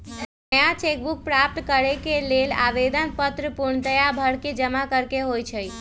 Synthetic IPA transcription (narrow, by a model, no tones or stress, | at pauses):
nəjat͡ʃek̚buk̚pɾap̚ʈ̪kəɾekelela̰ʋed̪ənpət̪ɾəpuɾɳt̪əjabʱəɽked͡ʒəmakəɾkeɦojt͡ʃʰəj